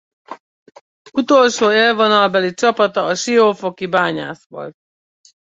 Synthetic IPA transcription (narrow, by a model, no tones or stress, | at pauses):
ut̪o̞lʃoːeːlvonɒlbɛlit͡ʃɒpɒt̪ɒːʃioːfokibaːɲa̰ːsʋo̰lt̪̚